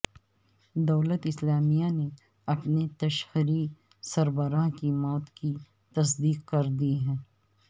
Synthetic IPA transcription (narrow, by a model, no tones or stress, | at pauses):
d̪ɐːlət̪ɪslaːmijane | ɐpnet̪ɐʃhɾi | sɐɾbəɾaːɦkimɔːt̪ki | t̪ɐs̬d̪iːqkɐɾd̪iɦɛ̃ː